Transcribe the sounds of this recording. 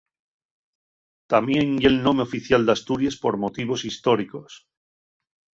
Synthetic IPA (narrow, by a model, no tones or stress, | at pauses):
t̪amjeŋjelno̞meo̞fiθjald̪ast̪uɾjespo̞ɾmo̞t̪iβ̞o̞sist̪o̞ɾiko̞s